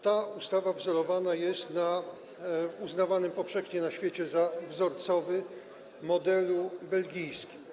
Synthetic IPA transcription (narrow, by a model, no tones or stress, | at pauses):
t̪aust̪avavzɔɾɔvanajɛst̪na | uznavanɘmpɔfʂɛxɲɛnaɕfʲjet͡ɕɛzavzɔɾt̪sɔvɘ | mɔd̪ɛlubɛlɡʲijskʲi̥m